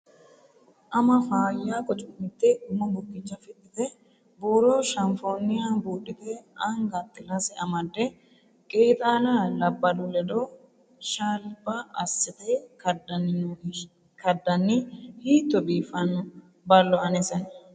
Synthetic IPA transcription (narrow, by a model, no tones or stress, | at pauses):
ʔɐmɐfaːjːaːkʼɔt͡ʃʼmɪt̪ːɛʊmːɐbʊkʼːɪt͡ʃːɐfɪt̪ːɪt̪ɛ | boːɾoːʃɐnfoːnɪjabuːɗːɪt̪ɛɐŋɡat̪ʼːɪlasɛɐmɐd̪ːɛ | kʼeːt̪ʼaːlalɐbːɐd̪ʊlɛd̪o | ʃaːlbɐɐsːɪt̪eːd | kɐd̪ɐnːɪhiːt̪ːɔbiːfɐnː | bɐlːɔɐnɛsɐn